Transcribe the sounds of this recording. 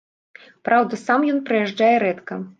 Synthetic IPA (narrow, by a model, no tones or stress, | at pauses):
pɾawd̪ɐsamjɔnpɾɐjaʐd͡ʐajɛɾɛt̪kɐ